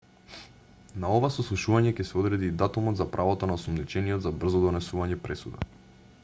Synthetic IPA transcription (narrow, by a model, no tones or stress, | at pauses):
naovasɔslˠuʃuvaɲɛcɛsɛɔd̪ɾɛd̪iːd̪at̪umɔd̪zapɾʔavot̪onaɔsɔmnit͡ʃɛniɔt̪zabr̩zɔd̪ɔnɛsuvaɲɛpɾɛsud̪a̰